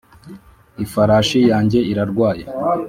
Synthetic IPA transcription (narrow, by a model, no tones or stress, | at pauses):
ifaɾaːʃijaːɲɟe̞iɾaɾɡwaːje